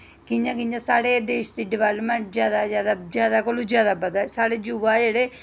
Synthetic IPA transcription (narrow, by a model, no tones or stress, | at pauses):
kiɲd͡ʒãːkɪ̃ɲd͡ʒãsaːɽeːd̪eːʃt̪iːɖɪʋaːləpmẽɳʈ̚zjaːd̪azjaːd̪ad͡ʒjaːd̪akolud͡ʒjaːd̪abəd̪asaːɽed͡ʒuʋaːjeɽe